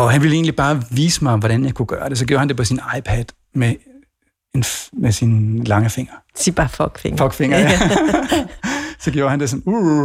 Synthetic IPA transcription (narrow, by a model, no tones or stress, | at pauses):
ɒ̽ɦænʋile̝ːnlib̥ɑ̈ːʋḭːsəmɑ̈ɪɒ̽mʋɒɾ̥ænjäɪkʰuɡ̥ɶːɐd̥e̝s̬ɒ̽ɡ̥jo̝ɐhænd̥e̝pʰɒ̽sinɑ̈ɪpʰæd̥ | me | enmesinlɑ̈ŋəfe̝ŋ̰ɐib̥ɑfɔɡ̥fḛŋfɒɡ̥feŋɐæ | sɒ̽ɡ̥jo̝ʊːɐhænd̥e̝sɒ̽nu